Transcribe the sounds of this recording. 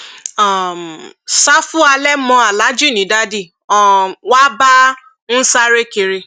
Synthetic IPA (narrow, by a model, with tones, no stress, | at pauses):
a˦˨msa˦fu˦a˧lɛ˦mɔ̃˨˧˦a˨la˨˦d͡ʒi˦˨nĩ˨˦da˦di˦˨ | ɔ˨wa˦ba˦ | n̩˦sa˦ɾe˦ki˧ɾi˧